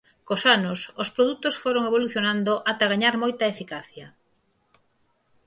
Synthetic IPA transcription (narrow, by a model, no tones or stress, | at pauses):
kosanʊsospɾoðut̪osfoɾoŋeβ̞oluθjonand̪oʔat̪ɐɣaɲaɾmojt̪ɐefikaθjɐ